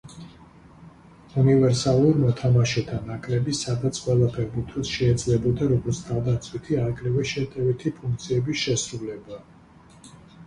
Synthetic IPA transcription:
univɛɾsalˠuɾmɔt̪ʰamaʃɛt̪ʰanakʼɾɛbisad̪at̪sʰqʼwɛlˠapʰɛɾbit̪ʰisʃɛːd̪zlɛbɔd̪aɾɔɡɔɾt̪sʰt̪ʰavd̪at̪sʰʼwit̪ʰiaɾkʼɾɛvɛʃɛt̪ʼɛvit̪ʰipʰuŋk̚ʰt̪sʰiɛbisʃɛsɾulɛba

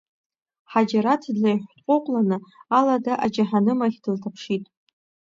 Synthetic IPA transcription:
ħad͡ʒaɾatʰdlajħʷtʼqʷʼoqʷʼlanɨaladaʔad͡ʒaħanɨmaχʲdɨltʰapʰʂitʼ

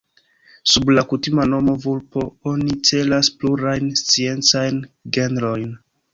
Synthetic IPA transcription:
sublakutimano̞mo̞vulpo̞o̞nit͡se̞laspluɾajnst͡sie̞nt͡sajnɡe̞nɾo̞jn

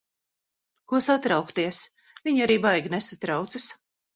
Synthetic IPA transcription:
kuɔsat̪ɾawkt̪iɛs | vʲiɲaɾiːbajɡnesat̪ɾawt̪sas

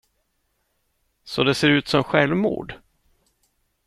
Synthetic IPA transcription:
sɔd̪ɛseːɾʉ̟ːt̪sɔmɧɛlvmṵːɖ

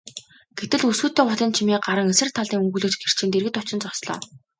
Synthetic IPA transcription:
ɡ̥et̪ɘ̆ɮusɡuːt̪ːeːpɔɮɞ̆nt͡ɕʰimiːɢaɾə̆ŋesɘ̆r̥t̪ʰːaɮiːŋɵŋɡuːɮoːt͡ɕɡer̥t͡ɕĭnt̪eɾɣɘ̆t̪ʊt͡ɕɪ̆nt͡sɔsɮɔ̰ː

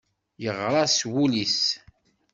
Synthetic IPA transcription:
jəʁɾˤɑswulis

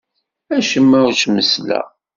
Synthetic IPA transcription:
æʃəmːæut͡ʃməslæ̰

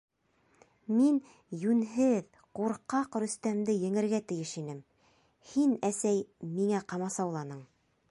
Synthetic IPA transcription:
min | jʉnɦɘð | quɾqɑqɾɵ̆st̪æmd̪ɘjɘ̆ŋɘ̆ɾɡæt̪ɘ̆jɘʃinɘm | hinæsæjmiŋæqɑmɑsɑwlˠɑnɤɴ

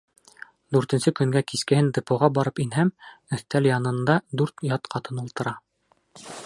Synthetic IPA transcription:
d̪ʉɾt̪ɘ̆nsɘkɵ̆ŋɡækiskɘ̆hɘnd̪ɤ̆pŏʁɑbɑɾɤpinɦæmɵ̆θt̪æljɑnɤ̆nd̪ɑd̪ʉɾt̪jɑt̪qʰɑt̪ɤnulˠt̪ɤ̆ɾɑ

